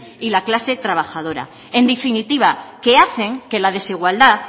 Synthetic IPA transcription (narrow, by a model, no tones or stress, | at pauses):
ilaklase̞t̪ɾaβ̞axað̞o̞ɾa̰ | e̞nd̪efinit̪iβ̞ake̞aθe̞ŋke̞lað̞e̞siɣ̞wald̪at